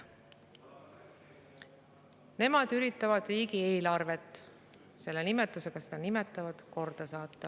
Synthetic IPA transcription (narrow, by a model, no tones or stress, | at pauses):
ne̞mɑd̪̥yɾit̪ːˑɑvɑd̪̥riːɡie̞ːlɑrve̞t̪ːˑ | se̞lːe̞nime̞t̪ˑːuse̞ɡ̥ɑsed̪̥ɑnime̞t̪ːˑɑvɑd̪̥ko̞rd̪̥ɑsɑːt̪ːɑ